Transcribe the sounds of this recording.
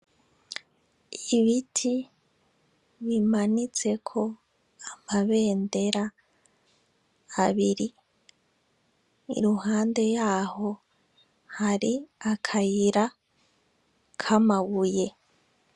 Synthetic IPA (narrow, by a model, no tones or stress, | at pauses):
iβitʰi | βimanit͡se̞kʰo̞ | amaβe̞ːnde̞ɾa | βiɾi | ḭɾuhaːnde̞jaːho̞ | haɾiakʰajiɾa | kʰamaβuje̞